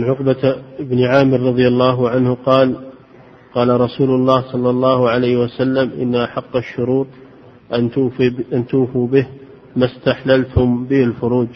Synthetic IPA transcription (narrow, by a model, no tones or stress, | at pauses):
mɪnʕʊqbaɪbnʕaːmɪɾːˤɑðˤjalːɑːɦʊʕanhqɑːl | qɑːlaɾˤɑsuːlʊlˤːɑːhsˤɑlːɑlˤːɑːhʕalajhwasalːamʔɪ̰nːaʔaħɑqːɑʃːʊɾuːt̪ˤ | ʔaʔant̪uːfubɪh | mast̪aħlalt̪ʊmbɪhɪlfʊɾuːd͡ʒ